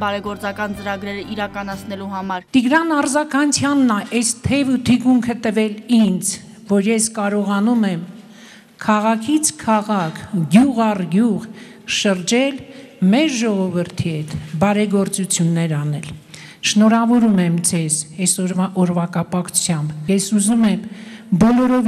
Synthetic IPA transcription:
bɑɾɛɡɔɾt͡sɑkɑnt͡səɾɑɡɾɛɾəʔiɾɑkɑnɑt͡sʰnɛluɦɑmɑɾt̪iɡɾɑnɑrzɑkʰɑnt͡sʰjɑnːɑʔɛst̪ʰɛvut̪ʰikuŋkʰət̪əvɛlind͡zʰ | vɔɾjɛskɑɾɔʁɑnumɛm | kʰɑʁɑkʰit͡sʰkʰɑʁɑkʰɡjuʁɑrɡjuʁ | ʃəɾd͡ʒɛlmɛɾʒɔʁɔvəɾt̪ʰihɛt̪ʰbɑɾɛɡɔɾt͡sut͡sʰjunːɛɾɑnɛl | ʃnɔɾɑvɔɾumɛmd͡zʰɛzɛsɔʔɔɾvɑkɑpɑkʰu̥t͡sʰjɑmbjɛsuzumɛmbɔlɔɾɔv

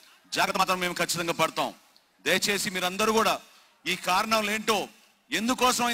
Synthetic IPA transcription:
d͡ʒaːɡɾt̪ɐaːt̪ɾɐmːe̞ːmukʰɐt͡ʃːi̥t̪ɐŋɡaːpɐɽut̪aːw̰̃ | d̪ɐjɐt͡ʃe̞ːsimiːɾɐnd̪ɐɾuːkuːɽaː | iːkaːɾɐɳɐmle̞ːɳʈoː | end̪ukɔːsɐmɐ

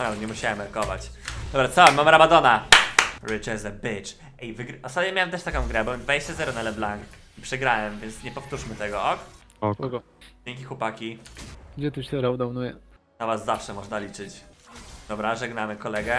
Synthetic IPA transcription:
pɾavɛɲɛmuɕawɛmɛɾkɔva̰t͡ɕd̪ɔbɾat̪sɔmamɾabad̪ɔna | ɾɘt͡ʂɛzɛbit͡ʂ | ivɘɡɾɔst̪at̪ɲɛmʲjawɛmt̪ɛʂt̪akɔ̃w̃ɡɾɛbɔmd̪vad͡ʑeɕt͡ɕazɛɾɔnalɛblaŋk | ipʂɛɡɾawɛmvʲjɛnt̪sɲɛpɔft̪uʂmɘt̪ɛɡɔʔɔk | ɔkɡɔ | d͡ʑeŋkʲixwɔpakʲiɡd͡ʑɛt̪uɕɛɾɔd̪ɔwnujɛ | navasːafʂɛmɔʐnalʲit͡ʂɘt͡ɕd̪ɔbɾaʐɛɡnamɘkɔlɛɡɛ

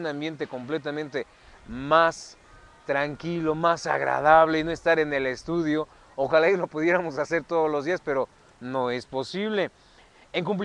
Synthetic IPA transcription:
nãmbje̞nt̪e̞ko̞mple̞t̪̬amẽnt̪e̞ | mas | t̪ɾaŋkilo̞masa̰ɣɾa̰ðaβ̞le̞ino̞e̞st̪aɾe̞ne̞le̞st̪uðjo̞ | oxalelo̞puðje̞ɾamo̞sase̞ɾt̪o̞ðozlo̞zðiaspe̞ɾo̞ | no̞e̞spo̞siβ̞le̞ | eŋkump̬l

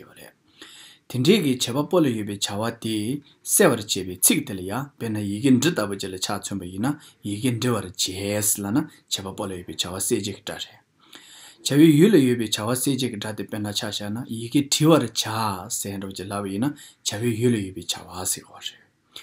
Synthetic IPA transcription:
rḛʔ | t̪ʰiɖ͡ʐeːkit͡ɕʰepapolajøp̬eːt͡ɕʰawat̪i | seːwart͡ɕeːpeːt͡sʰikt̪elajapeʔnːajikeːɳɖ͡ʐət̪apod͡ʑilat͡ɕʰat͡sʰønpajinːajikeɳɖ͡ʐewart͡ɕeːslana | t͡ɕʰepapolajøpeːt͡ɕʰawaseːd͡ʑeki̥ʈ͡ʂa̰reʔ | t͡ɕʰaweːjylajøʔpeːt͡ɕʰawaseːd͡ʑekiʈ͡ʂat̪epenːat͡ɕʰaɕanajikeːʈ͡ʂʰiwaɾt͡ɕʰasɛːɳɖ͡ʐaot͡ɕəlapajina | t͡ɕʰaweːjylajøpeːt͡ɕʰa̰wasekwareʔ

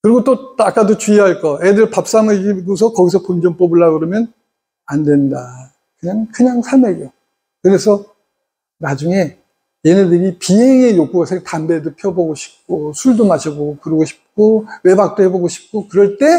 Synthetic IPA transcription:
kɯɾiɡot͈otak͈adot͡ɕuiɦaɭk͈ʌedɯɾpap̚s͈amɯɡiɡos̬ʰʌkʌɡisʰʌpond͡ʑʌnp͈ʌbɯɭːaɡɯɾʌmjʌn | andwe̞nda | kɯɲaŋkɯɲaŋsʰameɡo | kɯɾe̞sʰʌ | nad͡ʑuŋe̞ | jenedɯɾipiɦeŋe̞jok͈̚uɡasʰetambe̞dopʰjʌbʌɡoɕʰi̥p̚k͈osʰuɭdomaɕʰiboɡokɯɾʌɡoɕʰi̥p̚k͈owe̞bak̚t͈oɦe̞boɡoɕʰi̥p̚k͈okɯɾʌɭt͈e̞

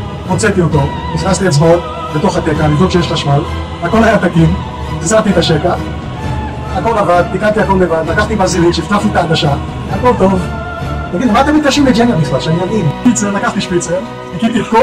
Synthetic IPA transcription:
pot͡set̪iot̪o̞ | niznast̪iet͡sbaot̪ | bet̪o̞χat̪ekalid̪oʃeeʃlaʃmal | veako̞lajat̪akin | izaʁt̪iet̪aʃeka | ako̞lavad̪̚nikant̪iako̞levad̪lakaχt̪ibazilinʃeift̪aft̪it̪aːɡaʃa | ako̞lt̪o̞v | t̪aɡid̪lmat̪emit̪kaʃimled͡ʒenjamisbatʃanimavinʃpit͡seʁlakaχt̪iʃpit͡seʁ | akit̪it̪ko

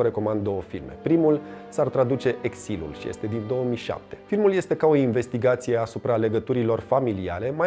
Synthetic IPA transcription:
ɾe̞ko̞mand̪d̪o̞wəfilme̞̰pɾimulsart̪ɾad̪ut͡ʃe̞ʔeksilṵlʃḭje̞̰st̪e̞d̪ind̪o̞wəmiʃa̰p̚t̪e̞̥filmulje̞st̪e̞kao̞inve̞st̪iɡat̪sije̞asupɾale̞ɡət̪uɾilo̞rfamilia̰ɾe̞ma

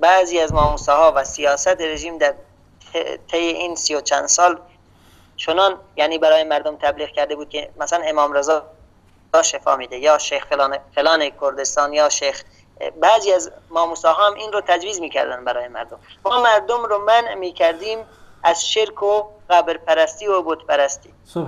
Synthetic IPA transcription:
bæziːæzmɒːmuːsɑːɦɒːvæsijɒːsæt̪eɾeʒiːmd̪æɾ | t̪ʰejeʔiːnsijot͡ʃʰæ̰nd̪sɒːl | t͡ʃʰonɑːnjæːniːbæɾɒːjemæɾd̪omt̪ʰæbliːɣkʲʰæɾd̪e̞buːd̪̚kʰʲemæsælænemɒːmɾezɒː | zɒːʃefɒ̰ːmiːd̪ejɒːʃejxfelɑːnfelɑːnekʰoɾd̪est̪ɑːnjɒːʃejx | bæziːæzmɒːmuːsɑːɦɑːminɾot̪ʰæd͡ʒviːzmiːkʰæ̰ɾd̪ænd̪bæɾɒːjemæ̰ɾd̪ommɒːmæɾd̪omɾomænʔmiːkʰæɾd̪iːmʔæzʃeɾkʰoɣæbɾpʰæɾæst̪iːobot̪pæɾæst̪iː

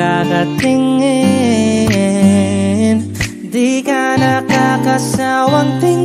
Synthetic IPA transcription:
akat̪iŋːi | n | d̪ikanakakasawaŋt̪iŋ

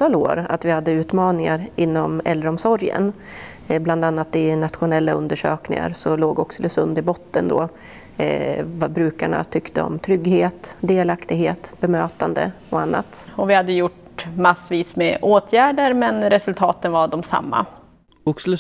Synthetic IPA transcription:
t̪ʰːɑːlo̰ːɾa̰t̪vɪhad̪ːəʉ̟ːt̪mɑːnɪŋaɾɪnːɔmɛ̰lːɾɔmsɔɾjə̰n | bland̪anːat̪ɪnat̪ɧʊnɛlːaɵnd̪əʂøːknɪ̰ŋa̰ɾsɔloːɡɔksləsɵnd̪ɪbɔt̪ːənd̪o̰ː | vabɾʉ̟ːkaɳa̰t̪ʰʏkt̪əɔ̰mt̪ʰɾʏɡheːt̪d̪eːlakt̪ɪɡheːt̪bɛmøːt̪and̪ə̰ | ɔanːa̰t̪ɔvɪhad̪ːəjʊʈ | masːviːsmɛʔoːt̪ʰjæːɖəɾmɛnɾɛsɵlt̪ʰɑːt̪ənvaɖɔmsa̰mːa̰ | ʊkslə

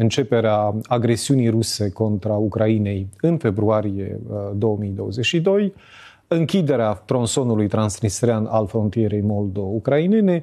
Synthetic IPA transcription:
ɨnt͡ʃe̞pe̞ɾeaaɡɾe̞siunijɾuse̞ko̞nt̪ɾaukɾaine̞jɨnfe̞bɾuaɾije̞̰d̪o̞wəmijd̪o̞wəzet͡ʃʃid̪o̞j | ɨŋkʲid̪e̞ɾeat̪ɾo̞nso̞nulujt̪ɾansnist̪ɾeana̰lfɾo̞nt̪ije̞ɾe̞jmo̞ld̪o̞ukɾaine̞ne̞

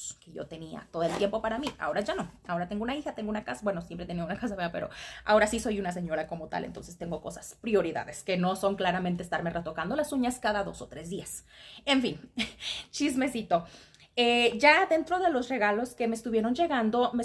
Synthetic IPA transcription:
skeʝo̞̰t̪e̞nia̰t̪oðoelt̪je̞mpo̞paɾamiʔa̰o̞ɾaʝano̞ao̞ɾat̪e̞ŋɡounaixat̪eŋɡounakasabwe̞no̞sjempɾet̪eniaunakas̬aβeape̞̰ɾo̞̰a̰o̞ɾasiso̞junas̬e̞ɲo̞ɾako̞mo̞t̪a̰lʔḛnt̪o̞nse̞st̪e̞ŋɡo̞ko̞̰sḁspɾjo̞ɾiða̰ðeske̞no̞so̞ŋklaɾamẽnt̪eːst̪aɾme̞ret̪okand̪o̞lasuɲaskaðaðo̞so̞t̪ɾe̞zðiase̞ɱfin | t͡ʃizme̞sit̪o̞ | eʝaðe̞nt̪ɾo̞ð̞e̞lo̞zre̞ɣalo̞ske̞meːst̪uβjeɾo̞nd͡ʒe̞ɣand̪o̞me

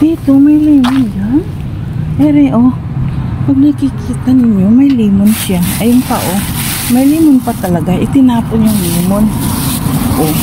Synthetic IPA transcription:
d̪̥iːt̪o̞mɐjliːmond͡ʒaŋ | ʔɛɾɛʔo | pɐɡ̚nɐkɪkiːt̪anɪɲːo̞mɐjliːmonʃaʔɐjʊŋp̪a̰ʔo | mɐjliːmonpɐt̪ɐlɐɡaʔɪt̪ɪnaːponjʊŋliːmon | ʔo

